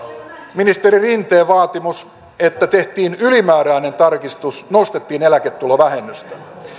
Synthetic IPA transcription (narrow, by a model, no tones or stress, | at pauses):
minist̪eɾirint̪eːʋɑːt̪imus | et̪ːæt̪eht̪iːnylimæːɾæine̞nt̪ɑrkist̪usnost̪et̪ːiːnelæket̪ːuloʋæhemːyst̪æ̥